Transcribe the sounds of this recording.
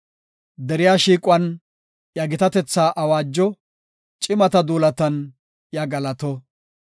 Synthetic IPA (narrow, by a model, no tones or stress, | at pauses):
d̪ɛɾɪjaːʃiːkʼʊwɐn | jɐɡɪt̪ɐt̪ɛt͡sːaːʔɐwaːd͡ʒːɔ | t͡ʃʼɪmɐt̪ɐd̪uːlɐt̪ɐn | jɐɡɐlɐt̪ɔ